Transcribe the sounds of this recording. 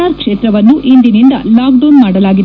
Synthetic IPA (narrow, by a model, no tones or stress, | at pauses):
aːɾkʂeːt̪ɾɐʋɐnːuʔind̪inind̪ɐ̰laːkɖoːnmaːɽɐlaːɡid̪